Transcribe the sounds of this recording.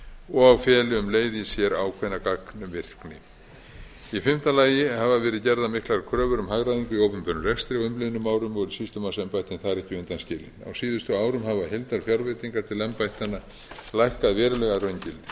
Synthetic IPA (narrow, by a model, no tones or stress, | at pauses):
ɔɣawfjɛːlɪʏmleːjðɪsjɛɾawkʰvɛjnakaknʏmvɪr̥knɪ | ifɪm̥t̪alaːjɪhavavɛːɾɪðcɛɾðamɪhklaɾkʰɾœːvʏɾʏmhaɣɾaðiŋkʏiowpʏmpœnʏrɛkst̪ɾɪawʏmlɪðnʏmːaːwɾʏmɔɾʏsist̪ʏmawsɛmpajht̪ɪnθaðɾɛhcɪʏnt̪anscɪːlɪ̰na̰wsiːðʏst̪ʏaːwɾʏmɦavaɦɪlt̪aɾfjaɾvejt̪iŋkaɾ̥t̪ʰɪlɛmpajht̪anːa | lajhkaðvɛːɾʏlɛɣarœɥɲcɪlt̪ɪ̥